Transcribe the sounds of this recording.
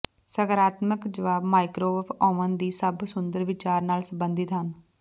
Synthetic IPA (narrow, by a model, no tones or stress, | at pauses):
səɡəɾaːt̪məkd͡ʒəʋaːbmaːɪkɾoːəfɔːʋənd̪iːsəbsʊnd̪əɾʋɪt͡ʃaːɾnaːlsə̃mbənd̪ɪt̪ɦən